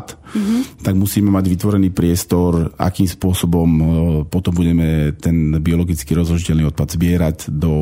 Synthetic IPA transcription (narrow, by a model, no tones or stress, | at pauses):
t̪t̪aɡmusiːmɛmaɟʋit̪ʋɔɾɛniːpɾɪɛst̪ɔɾa̰kiːmspʊɔsɔbɔmpɔt̪ɔmbuɟɛmɛt̪ɛnbiɔlɔɡit͡skiːɾɔzɦlɔʒicɛlniːɔt̪̚pad̪zbɪɛɾaɟd̪ɔ